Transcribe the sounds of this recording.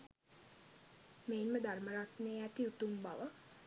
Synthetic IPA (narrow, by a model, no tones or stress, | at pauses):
meːnməd̪ʱarməɾat̪neæt̪iut̪umba̰ʋə